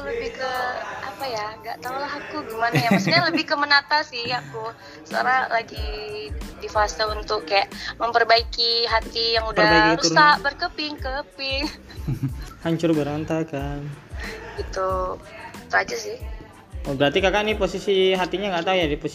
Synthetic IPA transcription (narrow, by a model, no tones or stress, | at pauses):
ləbɪhkəapajaŋɡa̰ʔt̪aulaɦakuɡimanjaaskaɲaləbɪhkəmənat̪asɪhaku | səa̰ɾalaɡi | difaasaunt̪ʊkːajaʔməmpərbaikiɦat̪ijaŋudəarbaikkktɾuusɾaʔbərkəpɪŋkəpɪŋ | haɲt͡ʃʊrbəɾant̪akanɡit̪u | it̪uad͡ʒasɪh | obəɾart̪ikakaʔniposisiɦat̪iɲaŋɡaʔt̪aujadipos